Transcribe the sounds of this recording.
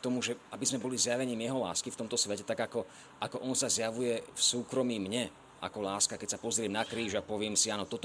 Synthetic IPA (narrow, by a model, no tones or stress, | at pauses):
t̪ɔmuʒɛabizmɛbɔlizjaʋɛɲiːmjɛɦɔla̰ːskift̪ɔmt̪ɔsʋɛcɛt̪aɡakɔ | akɔʔɔnsazjaʋujɛfsuːkɾɔmiːmɲɛ | ʔa̰kɔlaːskakɛcsapɔzɾɪɛmnakɾiːʒapɔʋɪɛmsianɔt̪ɔt̪